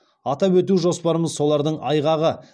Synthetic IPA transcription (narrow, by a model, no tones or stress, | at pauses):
ɑt̪ɑpwɵt̪uʒo̞spɑɾəməzso̞lˠɑɾd̪əɴɑjʁɑʁə